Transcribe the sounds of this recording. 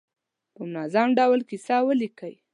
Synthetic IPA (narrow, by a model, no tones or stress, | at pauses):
pəmʊnɑzamɖawlkisɑwəlikəj